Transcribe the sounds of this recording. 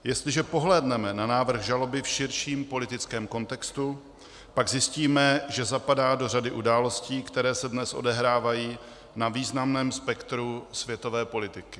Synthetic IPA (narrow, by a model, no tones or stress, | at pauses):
jɛst̪lɪʒɛpo̞ɦlɛːdnɛmɛnanaːvr̩ɣʒalo̞bɪfʃɪɾʃiːmpo̞lɪt̪ɪt͡skɛːmko̞nt̪ɛkst̪u | paɡzjɪsciːmɛʒɛzapadaːdo̞radɪʔudaːlo̞sciːkt̪ɛɾɛːsɛdnɛsʔo̞dɛɦɾaːvajiː | naviːznamnɛːmspɛkt̪ɾusvjɛt̪o̞vɛːpo̞lɪt̪ɪkɪ̥